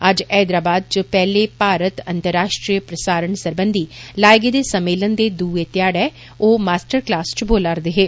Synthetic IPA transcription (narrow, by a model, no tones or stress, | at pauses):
ɐd͡ʒɛːd̪ɾaːbaːd̪̚t͡ʃəpɛːlepaːɾət̪ə̃nt̪əɾːaːʃʈɾijəpɾəsaːɾəɳsəɾbənd̪iːlaːeɡed̪eːsəmeːlənd̪eːd̪uːet̪jaːɽɛː | oːmaːsʈəɾklaːst͡ʃboːlaːɾd̪eɦeː